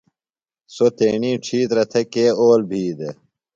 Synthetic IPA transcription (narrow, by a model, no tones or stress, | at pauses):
sot̪ḛːɳiːʈ͡ʂʰiːt̪ɾɐt̪ʰekeːoːlbʱiːd̪e